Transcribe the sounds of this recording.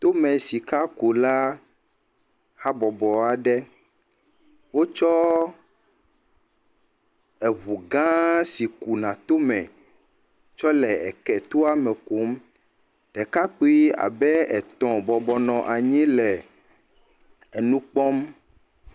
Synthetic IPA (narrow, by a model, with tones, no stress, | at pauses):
t̪o˦mɛ̃˨si˨ka˦ku˨la˦ | ha˦bɔ˨bɔ˨a˨ɖɛ˦ | wo˦t͡ʃɔ˦ | ɛ˨βu˨ɡã˦si˨ku˨nã˨t̪o˦mɛ̃˨ | t͡ʃɔ˦lɛ˨ɛ˨kɛ˨t̪o˦a˦mɛ̃˨ku˨˦m | ɖ̥ɛ˨ka˦k͡pu˦i˦a̰˨bɛ˦ɛ˨t̪ɔ̃˨bɔ˨bɔ˨nɔ̃˨ʔa˨ɲĩ˦lɛ˨ | e˨nũ˦k͡pɔ˦m